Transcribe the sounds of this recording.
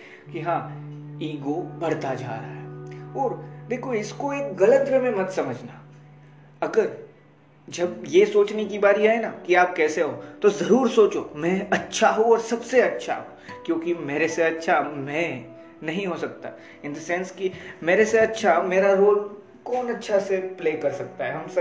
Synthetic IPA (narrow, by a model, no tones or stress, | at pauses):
kiɦãː | iːɡobɐɽ̤t̪ad͡ʒa̰ːɾaɦɛɔːɾd̪eːkʰoɪskoeːkɡɐlə̃t̪ɾəmẽmɐt̪sɐməd͡ʒʱna | ɐɡəɾ | d͡ʒɐbjesoːt͡ʃnekibaːɾiaːɦenakiaːp̚kɛːseɦot̪ozɐɾuːɾsoːt͡ʃo̰mɛ̃ɐtːʃʰaɦoɔːɾsɐbseɐtːʃʰa̰ɦo | kjõːkimeːɾeseɐtːʃʰamɛ̃ | nɐɦĩɦosɐk̚t̪a̰ | ɪ̃nd̪əsɛ̃nskimeːɾeseɐtːʃʰaɦmeːɾaɾoːl | kɔːnɐtːʃʰasepleːkɐɾsɐk̚t̪aɦɛɦɐms